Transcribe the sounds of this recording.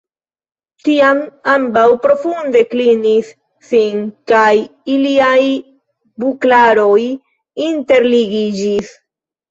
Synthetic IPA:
tiamambawpɾo̞funde̞klinisː | inkajiliaj | buklaɾo̞j | inte̞ɾliɡid͡ʒis

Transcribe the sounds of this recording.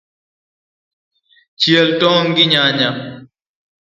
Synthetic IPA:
t͡ʃiɐlʈõːŋɡiɲaːɲa

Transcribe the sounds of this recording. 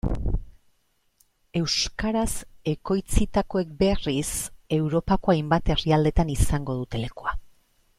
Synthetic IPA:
e̞wskaɾase̞ko̞jt͡sit̪ako̞e̞k̚be̞rise̞wɾo̞pako̞ajmbat̪e̞riald̪e̞t̪anisaŋɡo̞ðut̪e̞le̞kua

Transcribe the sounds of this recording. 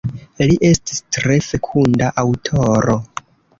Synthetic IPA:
liʔe̞sti̥stɾe̞fe̞kʰundaʔawtʰo̞ɾo̞

